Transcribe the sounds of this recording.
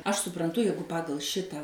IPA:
ˈɐʃ sʊprɐnˈtʊ ˈjɛɪɡʊ ˈpɑːɡɐlˠ ˈʃʲɪtɑː

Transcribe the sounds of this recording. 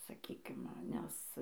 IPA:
sɐˈkʲiːkʲɪm ˈnʲɛs

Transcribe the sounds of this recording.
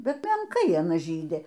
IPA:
ˈbʲɛt mʲɛŋˈkɐɪ ɐˈnɐ ˈʒʲiːdʲɪ

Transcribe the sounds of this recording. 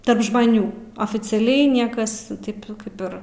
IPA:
ˈtɐrp ʒmɐˈnʲuː oːfʲɪt͡sʲɛˈlʲɛɪ ˈnʲiɛkɐs ˈtɐɪp ˈkɐɪp ɪr

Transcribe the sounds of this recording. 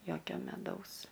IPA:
ˈjoːkʲoː mʲɛˈdɐʊs

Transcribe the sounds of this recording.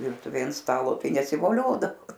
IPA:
ˈʋʲɪrtʊʋʲeːj ɐnt ˈstɑːlˠoː ˈtɐɪ nʲɛsʲɪʋoːˈlʲoːdɐʋoː

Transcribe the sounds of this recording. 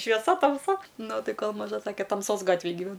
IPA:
ʃʲʋʲiɛˈsɐ tɐmˈsɐ ˈnʊ ˈtɐɪ ˈkoːlˠ mɐˈʒɐ ˈsɑːkʲɛ tɐmˈsoːs ˈɡɑːtʲʋʲeːj ɡʲiːˈʋʲɛn

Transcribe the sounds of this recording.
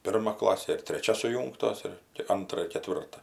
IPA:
ˈpʲɪrmɐ ˈklˠɑːsʲeː ɪr tʲrʲɛˈt͡ʃʲɛ sʊˈjuːŋktoːs ɪr tʲɪ ˈɐntrɐ ɪr kʲɛˈtʲʋʲɪrtɐ

